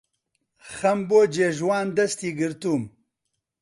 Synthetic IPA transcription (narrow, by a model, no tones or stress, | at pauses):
xɐmboːd͡ʒeʒwaːnd̪ɐst̪iːɡiɾt̪um